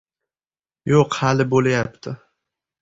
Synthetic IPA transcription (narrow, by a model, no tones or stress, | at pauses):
joqhalɪbolajap̚t̪ʰɪ